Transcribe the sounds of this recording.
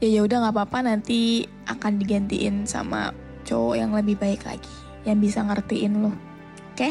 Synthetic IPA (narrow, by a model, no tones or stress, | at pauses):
jajaɦudaŋapaːpanant̪i | ʔa̰kandiɡant̪ḭʔɪnsa̰ma̰ | t͡ʃojaŋləbɪhbaɪkla̰ɡi | jaŋbisaŋərt̪iʔɪnlʊh | ka